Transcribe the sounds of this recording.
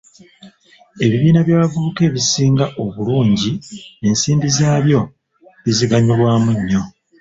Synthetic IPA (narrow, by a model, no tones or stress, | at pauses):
e̞βiβiːnaβjaːβavuβuke̞βisiːŋɡaʔo̞βuluːɲɟie̞nsiːmbizaːβjo̞ | βiziɡaɲilwaːmuɲːo̞